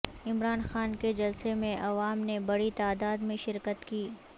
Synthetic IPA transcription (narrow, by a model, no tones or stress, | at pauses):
ɪmɾaːnxaːnked͡ʒɐlsemẽʔɐʋaːmnebɐɽit̪aːd̪aːd̪mẽʃɪɾkət̪kiː